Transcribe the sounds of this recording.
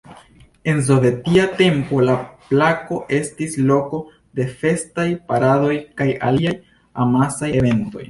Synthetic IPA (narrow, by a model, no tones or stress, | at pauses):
e̞nz̬o̞ve̞tiate̞mpo̞laplako̞ʔe̞stislo̞ko̞ | de̞fe̞stajpaɾado̞jkaja̰liaj | a̰masajeve̞nto̞̰j